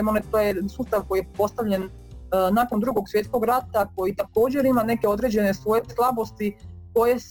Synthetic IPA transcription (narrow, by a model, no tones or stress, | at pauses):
monet̪ojesuːst̪aʋko̞jijeppo̞st̪aʋʎe̞n | nako̞nd̪ɾuɡo̞ɡsjet̪sko̞ɡɾat̪ako̞jit̪ako̞ːd͡ʑe̞ɾimane̞keo̞d̪ɾe̞d͡ʑe̞ne̞sʋo̞jeslˠabo̞st̪iko̞jes